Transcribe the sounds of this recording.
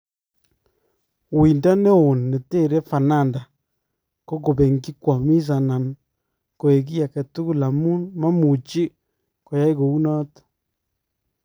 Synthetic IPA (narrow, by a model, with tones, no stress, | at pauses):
wi˨nda˦ne˦o˨nːe˨te˦˨ɾe˦fa˨na˦˨nda˨ | ko˦ɡo˨be˨ŋɡi˦kwa˨mi˦s̬a˨na˨n | ko˨e˨k̬i˦ja˨kɛ˨tu˦ku˦la˨mu˦nma˦mu˨t͡ʃi˦ | ko˨ja˦jko˨u˦nɔ˦t